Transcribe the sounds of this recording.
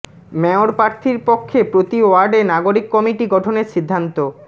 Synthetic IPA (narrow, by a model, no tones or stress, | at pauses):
mɛoɾpɾaɾt̪ʰiɾpokʰːepɾot̪ioaɾɖenaɡoɾikːɔmiʈiɡɔʈʰoneɾʃid̪ʱːant̪o